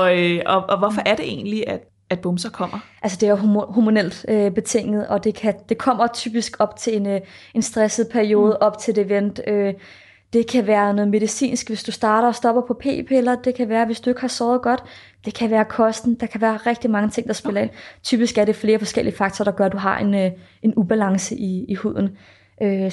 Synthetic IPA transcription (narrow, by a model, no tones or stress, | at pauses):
ɒ̽øɒɒʋɒfɒʔæɐɾ̥e̝ʔe̝̰ːnliæd̥ | æd̥b̥ɔmsɐkʰɒ̽m̰ɐʔælsəd̥e̝æɐɦhumo̝nel̰d̥øb̥e̝t͡sʰe̝ŋ̰ð̩ˠɒ̽d̥e̝kʰæd̥e̝kʰɒ̽m̰ɐt͡sʰyːb̥isɡ̥ɒ̽b̥t͡sʰe̝ene̝nsd̥ʁɛsəð̩ˠpʰæɐio̝ːð̞ˠəʔɒ̽b̥t͡sʰe̝e̝ʋen̰d̥ø | d̥e̝kʰæʋæːɐnɔ̽ːð̩ˠme̝ð̞ˠisḭːnsɡ̥ʋe̝sd̥usd̥ɑ̈ːɾɐɒ̽sd̥ɒ̽b̥ɐpʰɒ̽pʰe̝̰ːpʰeelɐd̥e̝kʰæʋæːɐʋe̝sd̥ue̝ɡ̥hɑ̈sɒʊð̞̩ˠɡ̥ɒ̽d̥ | d̥e̝kʰæʋæːɐkʰɒ̽sd̥n̩d̥ɑ̈kʰæʋæːɐʁɛɡ̥̚d̥imɑ̈ŋət͡sʰe̝ŋ̰d̥ɑ̈sb̥e̝lɐe̝n̰t͡sʰyːb̥isɡ̥æɐɾe̝fle̝ːɐfɒ̽sɡ̥elʔiəfɑ̈ɡ̥̚t͡sʰɒːɾ̥ɑ̈ɡ̥ɶɐd̥uɦɑ̈e̝n | ʔe̝nub̥ælɑ̈ŋsəʔiihuð̞̰ˠn̩ | ʔø